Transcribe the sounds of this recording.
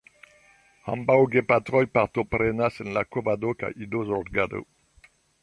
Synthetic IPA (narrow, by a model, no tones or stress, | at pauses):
hã̰mbawɡepat̪ʁɔjpaʁt̪opʁenasɛnlakovad̪oka̰ʔid̪ozɔʁdɡad̪o̰